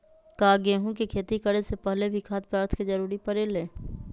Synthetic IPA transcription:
kaːɡeːɦũkikʰeːt̪ikəɽesepɛɦlebʱikʰaːt̪̚pɾaːɾt̪ʰkid͡ʒɐɾuːɾipɐɾeːleː

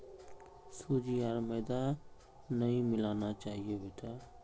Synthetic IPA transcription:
suːd͡ʒiaːɾməːd̪a | nɐɦĩmɪlaːnat͡ʃaːɦiebet̪a

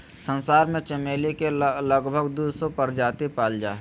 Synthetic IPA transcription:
sənsaːɾmẽt͡ʃəmeːlikeləɡbʱəɡd̪uːsopəɾd͡ʒaːt̪ipaːld͡ʒa̰ːɦ

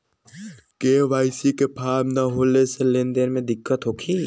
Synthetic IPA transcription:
keːʋaːɪsikepʰaːmnaɦoːleselẽːnd̪ənmẽd̪ɪkːət̪ɦoːkʰiː

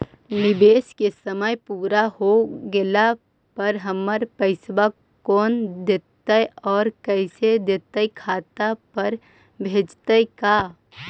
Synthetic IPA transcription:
nɪbeːskesəməjpuːɾahoɡela | pɐɾɦəməɾpəɪsʋa | kɔːnd̪eːt̪əjɔːɾkɛːsed̪eːt̪əjkʰaːt̪apəɾ | bʱeːd͡ʒt̪əjkaː

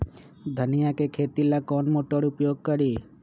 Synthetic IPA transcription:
d̪ʱənijakekʰeːt̪ilakɔnmoʈəɽʊpjoːɡ̚kəɾi

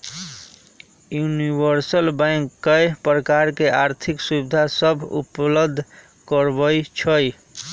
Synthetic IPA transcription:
junibəɾsəlbãŋkːəjpɾəkaɾkeʔaɾt̪ʰiksubid̪ʱasəbʱṵpləd̪ʱː | kəɾbəjt͡ʃʰəj

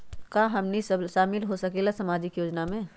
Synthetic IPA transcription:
kaɦɐmnisʃaːmɪlɦosɐkelasɐmaːd͡ʒɪkjoːd͡ʒnamẽ

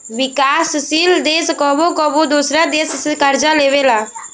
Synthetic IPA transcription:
ʋɪkaːssiːld̪eːskɔbokɔbod̪osɾad̪eːssɪkəɾd͡ʒãleːʋeːlaː

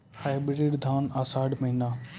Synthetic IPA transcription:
haːɪbɾɾeːɖd̪ʱaːnaːsaːɽməɦinaː

